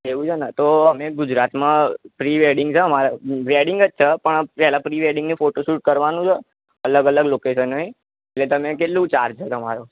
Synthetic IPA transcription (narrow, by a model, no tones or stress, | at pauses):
eʋũt͡ʃʰenat̪oəmeɡʊd͡ʒɾat̪mãpɾiʋeɾɖɪŋɡt͡ʃʰeəmaɾaɾeɖɪŋɡət͡ʃt͡ʃʰəpəɳpɛɦlapɾiʋeɾɖɪ̃ŋɡnifoʈoʃuʈ̚kəɾʋanũt͡ʃʰe | ələɡələɡlokeʃənːəĩ | elet̪əmek̬eʈlũt͡ʃaɾt͡ʃʰet̪əma̰ɾo